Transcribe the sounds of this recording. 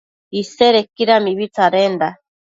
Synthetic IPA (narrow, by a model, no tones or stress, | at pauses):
iseɾekiɾamiβit͡saɾend̪a